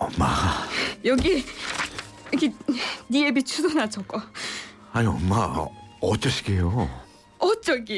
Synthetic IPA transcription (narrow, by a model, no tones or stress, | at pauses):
oma | jʌɡi | jʌɡiniebit͡ɕʰudonat͡ɕʰʌk͈o | aniomaot͡ɕ͈ʌɕi̥ɡejo | ot͡ɕ͈ʌɡi